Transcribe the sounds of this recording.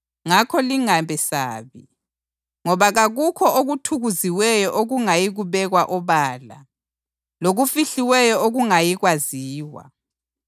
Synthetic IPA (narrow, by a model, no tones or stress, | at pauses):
ŋakʰɔliŋambʱɛsa̰ːβḭ | ŋɔβaɣaɣukʰɔʔoɣutʰuɣuziwɛjɔʔoɣuŋajiɣuβɛɣwaʔɔβaːla | loɣufiɬiwɛjɔoɣuŋajiɣwaziːwa̰